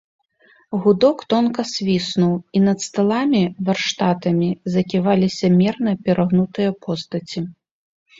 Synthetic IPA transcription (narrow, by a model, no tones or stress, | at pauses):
ɣud̪ɔkt̪ɔnkɐsʲvʲisnuwinɐt̪st̪alˠamʲivɐrʂt̪at̪ɐmʲizɐkʲivalʲisʲɐmʲɛrnɐpʲɛɾɐɣnut̪ɨjɐpʰɔst̪ɐt͡sʲi